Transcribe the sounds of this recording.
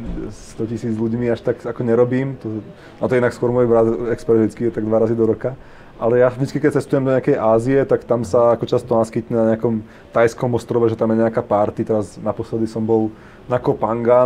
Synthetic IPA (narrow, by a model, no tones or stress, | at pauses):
st̪ɔcisiːd͡zʎuɟmiaʃt̪aɡakɔɲɛɾɔbiːmt̪ɔ | at̪ɔɛdnakskʊɔɾmɔjbɾat̪ɛkspɛɾd̪it͡skijɛt̪aɡd̪ʋaɾazid̪ɔɾɔka | ʔalɛjaʒd̪it͡skikɛc̚t͡sɛst̪ujɛmd̪ɔɲɛakɛjʔaːziɛt̪akt̪amsaakɔt͡ʃast̪ɔnaskiːt̪ɲɛnaɲɛakɔm | t̪ajskɔmɔst̪ɾɔʋɛʒɛt̪amjɛɲɛakapaɾt̪it̪ɛɾaznapɔslɛd̪isɔmbɔl | nakɔpaŋɡa